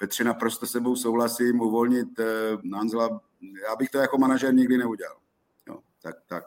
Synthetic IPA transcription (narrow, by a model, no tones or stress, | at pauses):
pɛt̪r̥ɛnapɾost̪osɛbowsowlasiːmuvolɲɪt̪nanzla | jaːbɪxt̪ojakomanaʒɛɾɲɪɡdɪnɛuɟɛla̰l | jo̰ | t̪ak̚t̪ak̚